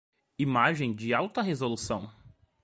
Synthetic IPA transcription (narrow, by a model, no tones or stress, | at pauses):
imaʒẽj̃d͡ʒɪawt̪ɐɦezolusɐ̃w̃